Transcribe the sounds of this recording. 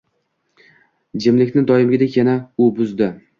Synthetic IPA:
d͡ʒɪmlɪkʲnɪd̪ɒjɪmɡʲɪd̪ekʲjanaʊbʊzd̪ɪ

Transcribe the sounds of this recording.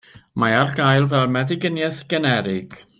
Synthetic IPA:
maarɡajlˠvɛlˠmɛðɪɡənjɛθɡ̥ɛnɛɾɪɡ̥

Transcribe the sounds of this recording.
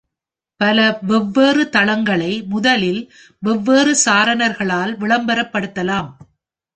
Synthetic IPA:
pɐlɐʋɛʋːeːrɯt̪ɐɭɐŋɡɐɭɐɪmʊðɐlɪl | ʋɛʋːeːrɯsaːɾɐnɐɾɣɐɭaːlʋɪɭɐmbɐɾɐpːɐɽɯt̪ːɐlaːm

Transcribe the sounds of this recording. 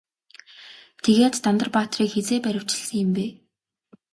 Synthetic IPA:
t̪ʰeɣeːt̪ːant̪ə̆rpaːt̪riːkxet͡seːpæɾʲɪ̆w̥t͡ɕɪ̆ɮsə̆ŋjɪmpeː

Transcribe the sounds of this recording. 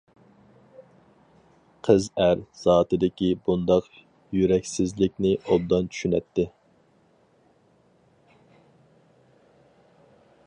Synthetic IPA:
qʰəzæɾz̥ɑːt̪ɨd̪ɪkʲibund̪ɑq | jyɾɛkʲsɪzlɪkʲnɪolˠd̪ɑnt͡ʃʰy̥ʃynɛ̰t̪ʰːɪ

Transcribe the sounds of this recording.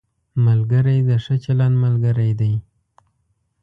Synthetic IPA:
malɡəɾajd̪əʂət͡ʃalɑnmalɡəɾajd̪aj

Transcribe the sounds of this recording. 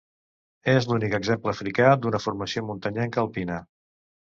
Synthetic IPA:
ezlunikəɡzempləːfɾikad̪unəfurməsiomunt̪əɲɛŋkəlˠpinə

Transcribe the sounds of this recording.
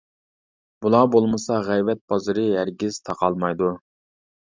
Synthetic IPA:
b̥ulˠɑbolˠmɨsɑʁɛjvɛt̪̚b̥ɑzɨɾɨɦæɾɡʲiz̥t̪ʰɑqɑlˠmɑjd̪u

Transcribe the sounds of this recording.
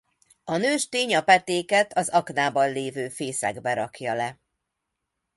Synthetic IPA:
ɒnøːʃt̪eːɲɒpɛt̪eːkɛt̪ʰɒzɒknaːbɒnleːvøːfeːsɛ̰ɡbɛɾɒkjɒlɛ

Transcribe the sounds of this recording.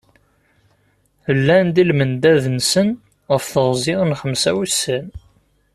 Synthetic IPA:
əlːænd̪ilmənd̪æðnsən | ʁəfθəʁzɪʁənχəmsæwisːən

